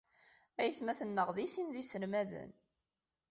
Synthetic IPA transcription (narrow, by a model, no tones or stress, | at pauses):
æjθmæθənːəʁðisinðisəlmæðə̰n